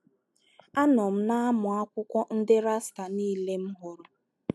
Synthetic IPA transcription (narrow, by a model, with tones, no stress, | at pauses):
a˦nɔ˨m̩˦na˦a˦mʊ˨a˦kʷʊ˦kʷɔ˦n̩˦dɪ˦ɾa˦sta˨niː˦le˦m̩˦ɦʊ˨ɾʊ˨